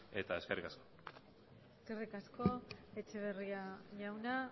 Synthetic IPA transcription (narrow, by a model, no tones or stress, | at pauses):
e̞t̪ae̞skerikasko | eske̞rikasko̞e̞t͡ʃe̞β̞e̞riaʝawna